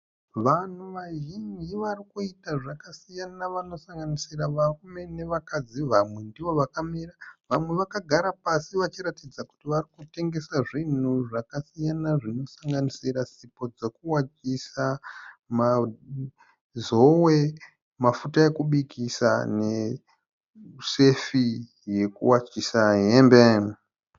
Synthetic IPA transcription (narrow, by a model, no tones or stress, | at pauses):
ʋan̤uʋaʒind͡ʒiʋarikuitaʐakasijanaʋano̞saŋɡanisiraʋarume̞ne̞ʋakad͡ziʋamwe̞ndiʋo̞ʋakamiraʋamwe̞ʋakaɡʱaɾapasiʋat͡ʃiɾatid͡zaku̥tiʋarikute̞ŋɡe̞saʐin̤uʐakasijanaʐino̞saŋɡanisirasipo̞d͡ze̞kuwat͡ʃisama | zo̞we̞ | mafutae̞kuɓikisa̰ne̞ | se̞fi | je̞kṵwat͡ʃisaɦembe